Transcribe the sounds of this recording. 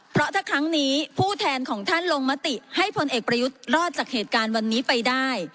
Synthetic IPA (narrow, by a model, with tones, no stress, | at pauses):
pʰɾɔ˦˥t̪ʰaː˥˩kʰɾa˦˥ŋniː˦˥pʰuː˥˩t̪ʰɛː˧nkʰɔː˩˦ŋt̪ʰa˥˩nlo˧ŋma˦˥t̪i˨˩ha˥˩jpʰo˧nʔeː˨˩k̚pɾa˧ju˦˥t̪̚ɾɔː˥˩t̪̚t͡ɕaː˨˩k̚heː˨˩t̪̚kaː˧nwa˧nːiː˦˥pa˧jdaː˥˩j